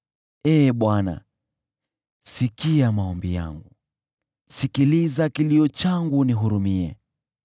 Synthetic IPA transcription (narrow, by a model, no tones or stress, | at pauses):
ɛːɓwana̰ | sikiamaɔmbija̰ŋɡu | sikilizakiliɔt͡ʃaŋɡuniɦuɾumiɛ̰